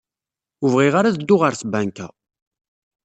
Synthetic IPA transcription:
uvʁiʁaɾaðəd̪ːʊʁəɾθbænkæ

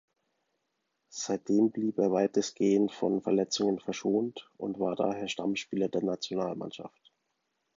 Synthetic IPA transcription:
z̥aɪt̚d̥eːmbliːpeːɐvaɪtʰəsɡ̥eːəntfɔnfɛɐlɛt͡sʊŋənfɛɐʃoːntʔʊ̰ntv̥aːɐda̰ːɦeːɐʃtamʃpiːlɐdeːɐnat͡sjonaːlma̰nʃa̰ft

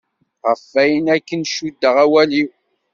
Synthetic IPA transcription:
ʁəfːæjənækːənʃud̪ːəʁæwæliw

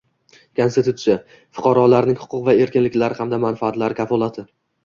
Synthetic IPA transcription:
kʰonst̪ɪt̪ʰut̪sɪja | fʊ̥qʰɑɾɒlaɾnɪŋhʊ̥qʰʊqvae̞ɾkʲɪnlɪkʲlaɾɪhamd̪amanfaːt̪laɾɪkʲʰafɒlˠat̪ʰɪ

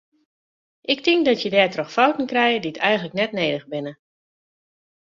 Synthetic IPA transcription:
ʔɪk̚tɪŋk̚dɔtjədɛːtrɔxfɔwtən̩krɛjəditʰɛjɣən̩ləknɛtneːdəɣbɪnə

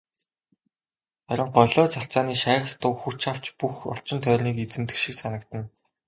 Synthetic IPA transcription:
χæɾʲɪ̆ɴɢɔɮɔːt͡saɬt͡saːniːʃæːɣə̆xt̪ʊxut͡ɕʰaw̥t͡ɕpuxɔ̰ɬt͡ɕɪ̆nt̪ʰœːrʲniːket͡sɘ̆mt̪ɘ̆kʃiksanə̆kt̪ə̆n

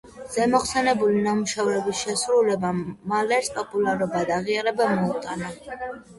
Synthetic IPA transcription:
z̥ɛmɔχsɛnɛbulinamuʃavɾɛbisʃɛsɾulɛbamalɛɾspʼɔpʼulaɾɔbad̪aʁiaɾɛbamɔt̪ʼana

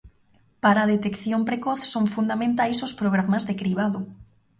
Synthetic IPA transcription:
paɾaðet̪ekθjompɾekoθsoŋfund̪amẽnt̪ajsospɾoɣɾamazðekɾiβ̞aðo

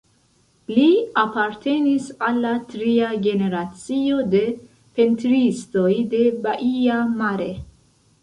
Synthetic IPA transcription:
liapaɾte̞nisalːatɾiaɡe̞ne̞ɾat͡sio̞de̞ | pe̞ntɾisto̞jde̞baʔiamaɾe̞

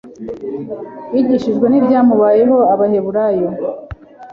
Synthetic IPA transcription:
iɟiʃiʒɡwe̞nibɟaːmuβaːjeɦo̞aβaɦe̞βuɾajo

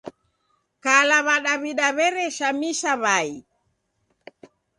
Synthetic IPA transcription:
kalaβaɗaβiɗaβɛɾɛʃamiʃaβai

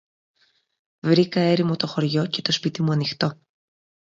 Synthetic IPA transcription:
vɾikɐe̞ɾimo̞t̪o̞xo̞ɾʝo̞ce̞̥t̪o̞spit̪imuɐnixt̪o̞

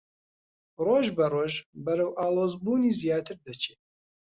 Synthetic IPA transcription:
roːʒbɐroːʒbɐɾɐwʔaːlˠoːzbuːniːzjaːt̪ʰɨɾd̪ɐt͡ʃʰeː

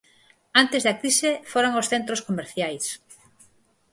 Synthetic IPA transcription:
ant̪ezðakɾisefoɾoŋosθent̪ɾoskomeɾθjajs

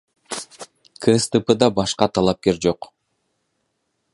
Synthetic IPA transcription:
kʰɨst̪ɨpəd̪ɑbɑʃqɑt̪ʰɑlˠɑp̚ke̞ɾd͡ʒo̞q

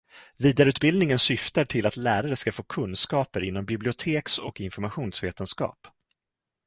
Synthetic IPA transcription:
viːd̪aɾʉ̟ːt̪̚bɪld̪nɪŋənsʏft̪aʈʰɪlat̪læːɾaɾəskafoːkʰɵnskɑːpəɾɪnːɔmbɪblɪʊt̪ʰeːksɔ̰kɪnfɔɾmaɧuːnsveːt̪ənskɑ̰ːp

